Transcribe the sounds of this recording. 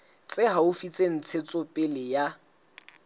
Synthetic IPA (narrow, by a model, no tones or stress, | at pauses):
t͡sʼɪɦaʊfit͡sʼen̩t͡sʰet͡sʼɔpʼɪlɪja